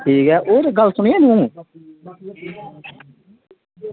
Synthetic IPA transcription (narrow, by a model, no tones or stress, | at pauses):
ʈʰiːkɛːʔoːɾɡəlsʊɳẽːnũː